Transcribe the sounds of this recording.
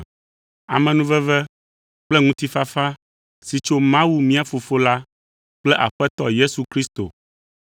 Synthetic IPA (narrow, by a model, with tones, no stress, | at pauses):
a̰˨mɛ̃˨nũ˦vɛ˦vɛ˦ | k͡plɛ˦ŋũ˦t̪i˦fa˦fa˦ | si˨t͡ʃo˦mã˦wu˦mĩ˦a˨fo˨fo˦la˦ | k͡plɛ˦ʔa˨ɸɛ˦t̪ɔ̰˦je˦su˨kɾi˦st̪o̰˨